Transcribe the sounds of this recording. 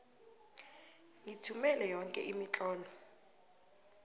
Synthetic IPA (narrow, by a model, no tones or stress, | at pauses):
ŋitʰumɛlɛjɔŋkʼɛ̰ʔimit͡ɬʼɔːlɔ